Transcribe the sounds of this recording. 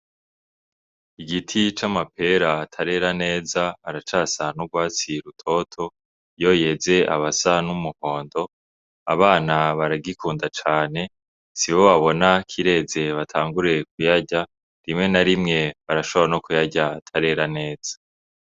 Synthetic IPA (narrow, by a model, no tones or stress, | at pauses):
iɡitʰit͡ʃamapʰe̞ɾatʰaɾe̞ɾane̞ːzaːɾat͡ʃaːsanuɡwaːt͡siɾutʰo̞tʰo̞ | jo̞jeze̞ʔa̰βasanumuho̞ːndo̞ | a̰βaːnaβaɾaɡikʰuːndat͡ʃaːne̞ | siβoβaβo̞nakʰiɾe̞ːze̞βatʰaːŋɡuɾe̞k̚ujaɟa | ɾimŋe̞naɾimŋe̞βaɾaʃo̞βaano̞kujaɟatʰaɾe̞ɾane̞ːz̥ḁ